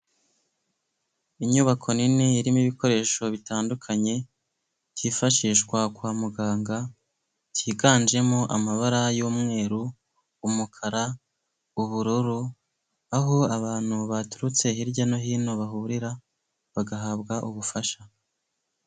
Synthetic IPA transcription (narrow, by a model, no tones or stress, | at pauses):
iɲuːβakʰo̞niniiɾimiβiko̞ɾe̞ːʃo̞βitaːndukʰaɲe̞ | tʰiːfaʃiːʃkwakwaːmuɡaːŋɡa | tʰiːɡaːnd͡ʒe̞mo̞ʔamaβaɾajuːmŋe̞ːɾuː | mukʰaɾa | uβuɾuɾu | aɦo̞aβaːn̥huβatu̥ɾut͡se̞hiɾɟano̞ɦiːno̞βaɦuːɾiɾa | βaɡaɦabɡaʔuβufaʃa